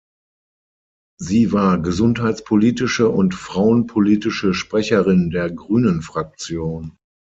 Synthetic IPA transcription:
ziːvaːɐɡəzʊnthaɪt͡spʰoliːtɪʃəʔʊntfʁ̥aʊənpʰoliːtɪʃəʃpʁ̥ɛçɐʁɪndeːɐɡʁyːnənfʁ̥ak̚t͡sjoːn

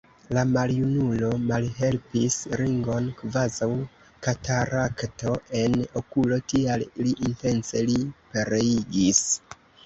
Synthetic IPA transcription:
lamaljunulo̞malɦe̞lpisɾiŋɡo̞nkvazaw | kataɾakto̞e̞no̞kulo̞tialiliʔinte̞nt͡se̞lipe̞ɾe̞iɡis

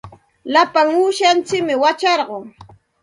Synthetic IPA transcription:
lapaŋuːʃant͡sɪkmɪwat͡ʃɑɾɢoŋ

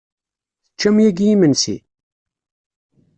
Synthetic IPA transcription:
θə̥t͡ʃːæmjæɡijimənsḭ

